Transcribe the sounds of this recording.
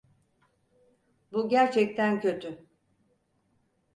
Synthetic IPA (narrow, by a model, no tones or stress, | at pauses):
buɟæɾt͡ʃʰɛc̚t̪ʰæncʰø̞t̪ʰy